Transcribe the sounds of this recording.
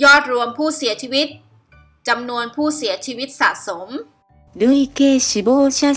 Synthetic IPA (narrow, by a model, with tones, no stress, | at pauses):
jɔː˥˩t̪̚ɾu˧əmpʰuː˥˩si˩˦ɐt͡ɕʰiː˧wi˦˥t̪̚ | t͡ɕa˧mnu˧ənpʰuː˥˩si˩˦ɐt͡ɕʰiː˧wi˦˥t̪̚sa̰˨˩ʔso˩˦m | du˥˩ə˨jkeː˧˩ɕi˧˦boː˥˩t͡ɕʰa˥˩